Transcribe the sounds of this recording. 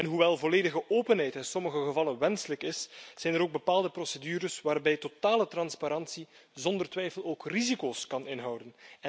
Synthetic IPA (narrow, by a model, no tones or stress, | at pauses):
ɛnɦuʋɛlˠvoleːdəɣəʔoːpənɦɛjtɪnsɔməɣəɣəvɑlənʋɛnsələkɪsz̥ɛjnəɾoːɡ̚bəpaːlˠdəprosedyːɾəsʋaːrbɛjtotaːlətrɑnspaɾɑnsizɔndərtʋɛjfəloːkrizikoːskɑnɪnɦɑwdən